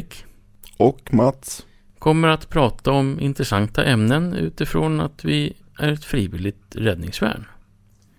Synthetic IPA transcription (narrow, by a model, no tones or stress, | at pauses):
k | ɔkmat̪s | kʰɔmːəɾat̪pʰɾɑːt̪aɔmɪ̰nt̪ɾɛsant̪aʔɛmnənʉ̟̰ːt̪ɪfɾona̰t̪vɪ | ʔæɾɛt̪fɾiːvɪlɪt̪ɾɛd̪nɪŋsvæ̰ːɳ